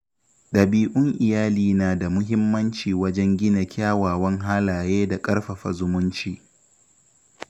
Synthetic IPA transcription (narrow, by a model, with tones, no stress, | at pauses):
ɗɐ˨biː˦ʔʊ˦ŋʔɪ˨jaː˦liː˨naː˨da˨mʊ˦ɦɪ˦mːɐ˦nt͡ʃiː˨wɐ˦d͡ʒɛ˦ŋɡʲɪ˦na˨kʲʰaː˦waː˨wɐ˦ŋɦaː˦laː˨jeː˦da˨kʼɐ˦ɽɸɐ˨ɸɐ̰˨zʊ˦mʊ˦nt͡ʃiː˦